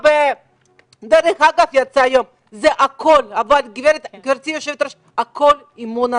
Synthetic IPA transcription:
be | d̪eɾeχaɡafjat͡saːjom | zeʔakʰolavalɡiveɾet̪ɡiɾt͡sijoʃevet̪ɾaʃ | akʰol | imona

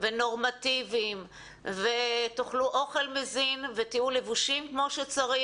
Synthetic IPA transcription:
veno̞ʁmativim | vet̪oχluʔoχe̞lmezinvet̪iulevuʃimkmo̞ʃet͡saʁi

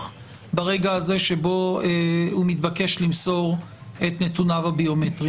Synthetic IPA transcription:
baʁeɡaːze̞ʃebo̞eumitbake̞ʃlimso̞ʁ | et̪ne̞tunavabio̞metʁi

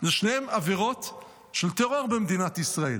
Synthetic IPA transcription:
zeʃnehemaviʁo̞t̪ | ʃelt̪eʁo̞ʁbemd̪inat̪isʁaḛl

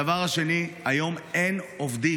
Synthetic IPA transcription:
avaʁhaʃe̞niajo̞menovd̪i

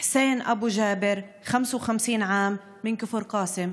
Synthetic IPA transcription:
ħseːnʔa̰buʒaːbɪɾ | xamswxamsiːnʕaːmː | ɪnkʊfɪɾqɑːsɪm

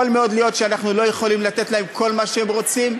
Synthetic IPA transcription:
olmeo̞d̪lijo̞t̪ʃeanaχnulo̞je̞χo̞limlat̪e̞t̪lae̞mkʰo̞lmaʃeemʁo̞t͡sim

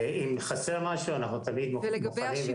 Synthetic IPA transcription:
imχaseʁmaʃuanaχnut̪amid̪mumuχanimve

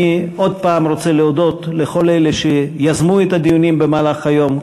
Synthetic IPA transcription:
io̞d̪̚paːmɾo̞t͡seleod̪o̞t̪leχo̞leleʃejazmuet̪ad̪ijunimbemaːlaχhajo̞m

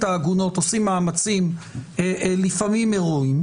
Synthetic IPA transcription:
t̪aːɡuno̞t̪osimːaːmat͡simelifamime̞ʁuim

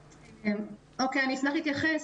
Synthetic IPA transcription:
em | okeaniːfnaχlit̪jaχes

